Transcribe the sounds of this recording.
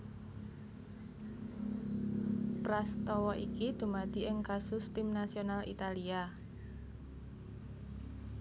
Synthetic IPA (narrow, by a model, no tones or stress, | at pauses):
pɾast̪ɔwɔʔikid̪̥ṳmad̪̥i̤ʔɪŋkasʊst̪ɪmnasionalʔḭt̪alia